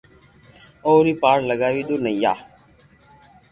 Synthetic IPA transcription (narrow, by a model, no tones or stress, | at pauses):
oːɾiːpaːɾləɡaːʋiːd̪oːnəĩːjaː